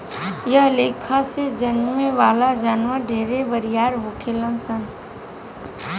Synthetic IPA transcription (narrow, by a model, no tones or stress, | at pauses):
jəəleːkʰased͡ʒənmẽʋaːlad͡ʒaːnʋaɖʱeːɾeʋəɾɪjaːɾʋʊkʰelənsən